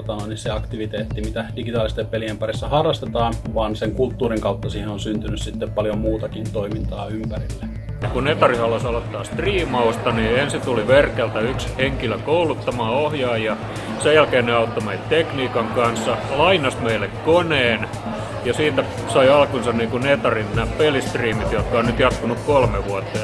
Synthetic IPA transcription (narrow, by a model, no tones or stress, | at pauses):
ot̪ɑnoinisseɑkt̪iʋit̪eːt̪ːimit̪æd̥iɡ̥it̪ɑːlist̪eppeliempærisːɑhɑrːˑɑst̪et̪ɑːnʋɑːnseŋkult̪ːuːriŋkɑut̪ːɑsiːhenonsynt̪ynyssit̪ːeppɑljommuːt̪ɑkint̪oimint̪ɑːympærilːe | kunet̪ɑrihɑlːɑsɑlot̪ːɑːst̪riːmɑust̪ɑniensint̪uliʋerkelt̪æyksheŋkiløkoulut̪ːɑmɑːohjɑːjjɑ | sejælkeːnneɑut̪ːomeit̪t̪ekniːkɑŋkɑnsːɑlɑinɑsmeilːˑekkoneːn | jɑsiːt̪æ | sɑiɑlkunsɑnniːkunet̪ɑrinnæːppelist̪riːmit̪jot̪kɑonnyt̪jɑt̪kunukkolmeʋuɑt̪ːɑ